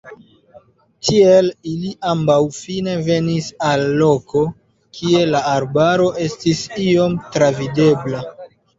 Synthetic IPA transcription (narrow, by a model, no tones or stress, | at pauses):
tʰieliliʔambawfine̞ve̞nisalːo̞ko̞ | kʰie̞laːɾbaɾo̞ʔe̞stisio̞mtɾavide̞bla